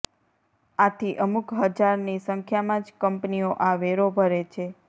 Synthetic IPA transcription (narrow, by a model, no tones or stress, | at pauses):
at̪ʰiʔəmukɦəd͡ʒaɾnisəŋkʰjamãd͡ʒkəmpnioʔaʋeɾobʱəɾet͡ʃʰe